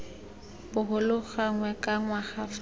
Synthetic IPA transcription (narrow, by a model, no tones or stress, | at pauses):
bʊɦʊlʊχaŋwɛkʼaŋwaχaf